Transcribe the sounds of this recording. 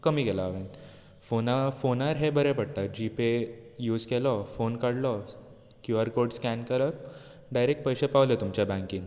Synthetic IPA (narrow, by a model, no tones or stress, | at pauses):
kəmiːkelaːʋẽn | fonafonaɾɦebəɾẽpəɽt̪ad͡ʑipejuːd͡zkelɔfonkaɽlɔ | kjuəɾkoɾɖskænkəɾəp | ɖajɾek̚ʈ̚pəjɕepaʋlet̪umt͡ɕjabãŋkiːn